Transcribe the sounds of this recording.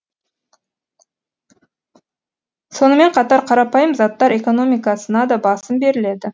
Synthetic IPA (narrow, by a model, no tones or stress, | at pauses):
so̞nəme̞ɴqʰɑt̪ɑɾqʰɑɾɑpɑjəmzɑt̪ːɑɾe̞ko̞no̞mijkɑsənɑd̪ɑbɑsəmbe̞ɾɪle̞d̪ɪ